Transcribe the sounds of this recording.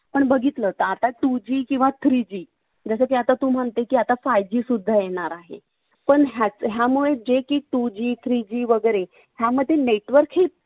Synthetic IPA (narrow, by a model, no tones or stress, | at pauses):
pəɳbəɡʱit̪lət̪əat̪aʈud͡ʑiːkĩw̃ʋat̪ʰɾid͡ʑiː | d͡zəsək̪iat̪at̪uːm̤əɳt̪ekiːat̪afajd͡ʑiːsud̪ʱːajeɽ̃aɾaɦḛ | pəɳɦat͡sɦjamuɭed͡ʑekiːʈud͡ʑiːt̪ʰɾid͡ʑiːʋəɡəɾe | ɦjaməd̪ʱːjeneʈʋəɾkɦi